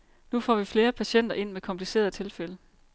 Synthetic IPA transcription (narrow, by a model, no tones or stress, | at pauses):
nufɒ̰ːʋifle̝ːɐpʰæɕen̰d̥ɐʔe̝n̰mekʰɒ̽mpʰlise̝̰ːɐðˠt͡sʰe̝lfelə